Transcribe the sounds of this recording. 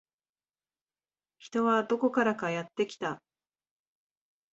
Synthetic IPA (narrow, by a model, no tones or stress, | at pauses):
çi̥t̪o̞βad̪o̞ko̞kaɾakajat̪ːe̞kʲi̥t̪a